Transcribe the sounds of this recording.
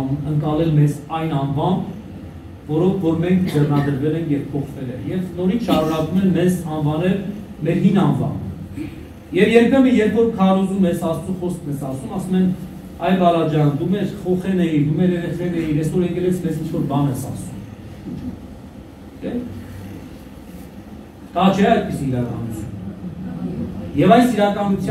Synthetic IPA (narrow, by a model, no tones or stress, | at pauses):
əŋkɑlɛlmɛzɑjnɑnvɑmb | vɔɾɔkʰvɔɾmɛŋkʰd͡zɛrnɑd̪əɾvɛlɛŋkʰjɛvpʰɔχvɛlɛnjɛvnɔɾit͡sʰʃɑɾunɑkumɛnmɛzɑnvɑnɛl | mɛɾɦinɑnvɑ̰mb | jɛvjɛɾpʰɛməjɛɾpʰvɔɾkʰɑrɔzumɛsɑst͡suχɔsknɛsɑsumɑsumɛn | ɑjvɑɾɑd͡ʒɑnd̪umɛɾχɔχɛnɛjid̪umɛɾɛɾɛχɾɛnɛjiɾɛsɔɾɛŋkɛlɛt͡sʰmɛzint͡ʃʰvɔɾbɑnɛsɑ̰sum | t͡ʃʰɛ | k̪ɑt͡ʃʰɛɑjd̪̚pisilɾɑkɑ̰nut͡sʰun | jɛvɑjsiɾɑkɑnut͡sʰj